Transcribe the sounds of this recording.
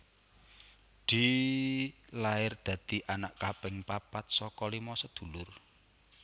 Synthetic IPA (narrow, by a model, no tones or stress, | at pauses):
ɖ̪̥i | laɪrd̪̥ä̤d̪̥iʔanaʔkapɪŋpapat̪̚sɔkɔlimɔsɔd̪̥ṳlʊr